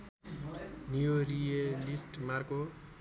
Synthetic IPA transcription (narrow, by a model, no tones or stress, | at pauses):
nijorijalisʈmarko